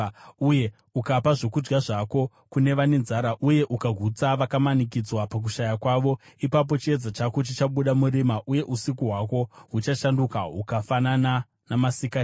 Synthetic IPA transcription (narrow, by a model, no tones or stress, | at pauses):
uje̞ | ukapaʐo̞kud͡ʒɡaʐako̞ | kune̞ʋane̞nzaːɾaʔuje̞ʔukaɡʱut͡saʋakamanik̬id͡zwapak̬uʃajakwaʋo̞ipap̬o̞t͡ʃie̞d͡zat͡ʃakot͡ʃit͡ʃaɓuɗamuɾimaʔuje̞ʔusikuɦwako̞ɦut͡ʃaʃandukaɦukafanana | namasika